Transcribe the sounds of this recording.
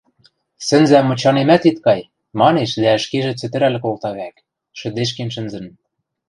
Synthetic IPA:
sɘ̆nzæmːɤ̆t͡ɕɑnemæt̪it̪kɑj | mɑneʃd̪æɘ̆ʃkeʒĕt͡sɘ̆t̪ɘ̆ɾæl̆kolt̪ɑβæk | ʃɘ̆d̪eʃ̬kenʃɘ̆nzɘ̆n̆

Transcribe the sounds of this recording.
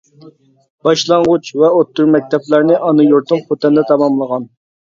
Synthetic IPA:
b̥ɑʃlˠɑɴʁʊt͡ʃvɛot̪ːuɾmɛk̚ʲt̪ʰɛplæɾnɪʔɑnɨjoɾt̪ʊmχot̪ɛnd̪ɛt̪ʰɑmɑmlˠəʁɑn

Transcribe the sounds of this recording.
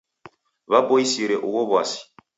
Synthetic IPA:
βabɔisiɾɛʔuɣɔβwasi̥

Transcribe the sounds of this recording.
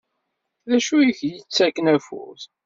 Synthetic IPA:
ðæʃuçjət͡sːækːənæfʊ̰ɾθ

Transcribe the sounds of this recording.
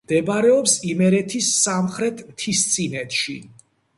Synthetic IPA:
d̪̥ɛbaɾɛɔpsimɛɾɛt̪ʰisːamχɾɛt̪ʰmt̪ʰist̪sʼinɛt̪ʃi

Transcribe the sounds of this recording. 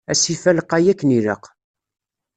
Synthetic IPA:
æsifæləqːæjækːəniɾə̰q

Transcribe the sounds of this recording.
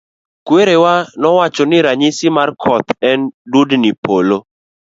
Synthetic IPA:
kweɾewanɔwat͡ʃɔnɪɾaɲisɪmarkʰɔt̪ɛndudnɪpolo

